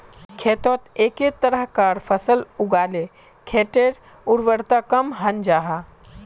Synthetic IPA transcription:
kʰeːt̪oːt̪eːket̪əɾəɦkaːɾfʰɐsəlʊɡaːle | kʰeːʈeːɾ | ʊɾʋəɾt̪aːkɐmɦɐnd͡ʒaːɦaː

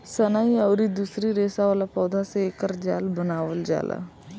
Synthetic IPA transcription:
sənaːiəʊɾid̪usɾiɾeːsaʋaːlapɔːd̪aseekəɾd͡ʒa̰ːlbənaːʋəld͡ʒa̰ːla̰

